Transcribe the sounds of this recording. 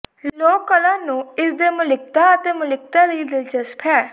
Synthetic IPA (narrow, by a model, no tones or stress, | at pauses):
lloːkːəlãːnũːɪsd̪eːmʊlɪk̚t̪aːət̪eːmʊlɪkt̪aːləiːd̪ɪlt͡ʃəspʰɛː